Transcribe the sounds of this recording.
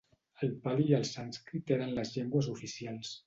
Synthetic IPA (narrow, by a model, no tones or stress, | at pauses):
əlpalijəlˠsanskɾit̪enənləzʎeŋɡwəzufisialˠs